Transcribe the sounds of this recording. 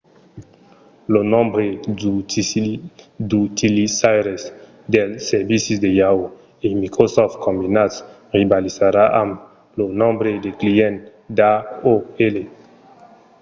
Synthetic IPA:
lonɔ̃mbɾe | d̪ut̪ilisajɾes | d̪elsɛɾvisisd̪ejao | emikɾosɔft̪̚kɔ̃mbinat̪s | ʁibalizaɾaʔam | lonɔ̃mbɾed̪ekliɛ̃n | d̪aoele

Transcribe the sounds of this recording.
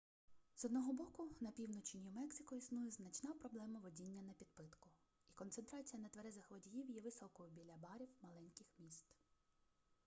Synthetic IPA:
z̥ɔd̪nɔɦɔbɔkʊnɐpʲiwnɔt͡ʃɪnʲimɛksʲɪkɔisnujɛznɐt͡ʃnɑpɾɔblˠɛmɐʋɔdʲinʲːɐnɐpʲid̪̚pɪt̪kʊ | ikɔnsent̪ɾɑt͡sʲijɐnɐt̪ʋɐɾɛzɐxʋɔdʲijiwjɛʋɪsɔkɔjʊbʲilʲɐbɑɾʲiwmɐlˠɛnʲkɪxmʲist̪

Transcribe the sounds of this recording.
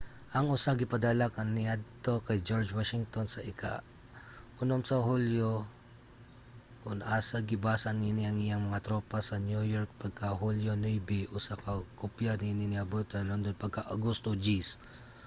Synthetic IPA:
ʔɐŋʔʊsaɡɪpɐd̪alakɐnːɪad̪̚t̪okajd͡ʒoɾd͡ʒwaʃɪŋt̪onsɐʔɪka̰ | ʔʊnomsɐɦuljo | kʊnaːsaɡɪbaːsaninɪɐŋɪjaŋmɐŋat̪ɾopasɐnjujoɾk̚pɐɡ̚kaɦuljonɔjbɪʔʊsakakʊpjaninɪnɪabot̪alond̪onpaɡ̚kaʔaɡust̪od͡ʒis

